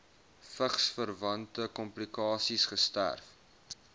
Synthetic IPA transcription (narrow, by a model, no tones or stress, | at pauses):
fəχsfərvɐntəkɔmplikɑːsisχəstæ̰rf